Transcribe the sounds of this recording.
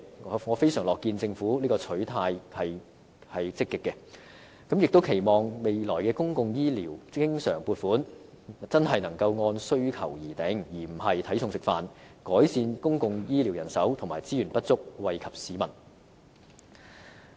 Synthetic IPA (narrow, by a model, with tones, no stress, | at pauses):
ŋɔː˨˧fe˥jsœː˨˩ŋlɔː˨˩kːiː˧nt͡sɪ˧ŋfuː˨˥liː˥kɔː˧t͡sʰɵ˨˥ɥt̪ʰaː˧jhɐ˨j | hɐ˨jt͡sɪ˥kːɪ˨kːɛ˧ | kɐ˨˥mjɪ˨k̚t̪o˥wkʰe˨˩jmɔː˨ŋme˨jlɔː˨˩jkɛː˧kʊ˥ŋkʊ˨˧ŋjiː˥liː˨˩wkɪ˥ŋsœː˨˩ŋpuː˧t̚fuː˨˥n | t͡sɐ˥nɦɐ˨jnɐ˨˩ŋkɐ˧wŋɔː˧nsɵ˥ɥkʰɐ̰˨˩wjiː˨˩t̪e˨˥ŋjiː˨˩m̩˨˩hɐ˨jt̪ʰɐ˨˥jsʰʊ˧ŋsɪ˨kfaː˨nkɔː˨˥jsiː˧nkʊ˥ŋkʊ˧ŋjiː˥li˨˩wjɐ˨˩nsɐ˨˥wt̪ʰmaː˨˩jt͡siː˥jyː˨˩npɐ˥t̚t͡sʊ˥k̚wɐ˨jkʰɐ˨p̚siː˨˥mɐ˨˩n